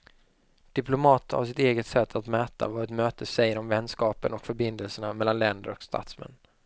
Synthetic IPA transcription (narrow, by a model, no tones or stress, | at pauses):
d̪̥ɪplʊmɑːt̪əha̰vs̬ɪt̪eːɡət̪sɛt̪ʰːat̪mɛːt̪ʰa̰vɑːɾət̪møːt̪ʰəsɛjəɾɔmvɛnːskɑːpənɔkfœɾbɪnd̪əlsəɳamɛlːanlɛnd̪əɾɔkst̪ʰa̰t̪smɛ̰nː